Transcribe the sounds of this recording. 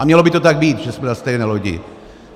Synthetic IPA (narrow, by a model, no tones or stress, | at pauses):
amɲɛlobɪt̪ot̪aɡ̚biːt̪ʒɛsmɛdast̪ɛjnɛloɟɪ̰